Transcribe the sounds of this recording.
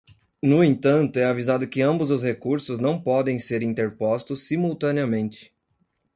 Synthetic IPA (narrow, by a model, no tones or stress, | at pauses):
nʊẽnt̪ɐ̃nt̪ʊɛavizad̪ʊkɪɐ̃mbʊzʊshekuɾsʊznɐ̃w̃pɔd̪ẽj̃seɾĩnt̪eɾpɔst̪ʊsːimuwt̪ɐ̃niɐmẽnt͡ʃɪ̥